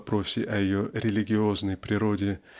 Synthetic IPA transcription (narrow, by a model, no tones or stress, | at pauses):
pɾo̞sʲɪʔɐjɪjoɾʲɪlʲɪɡʲɪo̞znəjpɾʲɪɾo̞dʲɪ